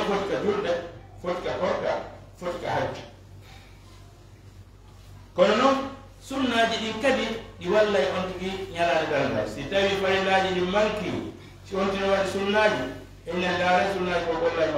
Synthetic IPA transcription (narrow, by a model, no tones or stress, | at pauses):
fotikad͡ʒuɾdɛ | fotikakɔɾka̰ | foti̥ka̰had͡ʒːu̥ | kɔnɔnɔn | sunːaːd͡ʒiɗiŋkabiɗiwalːajʔontikiɲalaːnɛdalda̰jsitawifaɾilaːd͡ʒiɗimmaŋkiṵ | siontinɔwaɗisunːaːd͡ʒu | ɛminadaɾajsunːad͡ʒikɔɡɔlːajma